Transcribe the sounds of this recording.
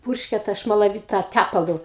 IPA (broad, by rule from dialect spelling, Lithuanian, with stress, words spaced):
ˈpʊrʲʃʲkʲɛ tɐ ʃmɐlˠɐˈʋʲiːt tɐ ˈtʲæpɐlˠʊ